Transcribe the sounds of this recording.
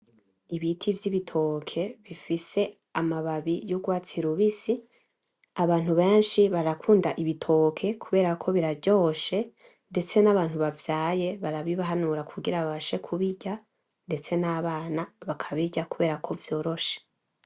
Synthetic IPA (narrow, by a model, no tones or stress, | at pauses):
iβitʰivjiβitʰo̞kʰe̞βifise̞ | amaβaβijuɡwaːt͡siɾuβisi | aβaːn̥huβe̞ːnʃiβaɾakʰuːndaʔiβitʰo̞kʰe̞kʰuβe̞ːɾakʰo̞βiɾavjo̞ːʃe̞ | nde̞t͡se̞naβaːn̥huβavjaːje̞βaɾaβiβaɦanuɾakʰuɡiɾaβaβaʃe̞kʰuβiɟa | nde̞t͡se̞naβaːnaβakʰaβiɟakuβe̞ːɾakʰo̞vjo̞ːɾo̞ʃe̥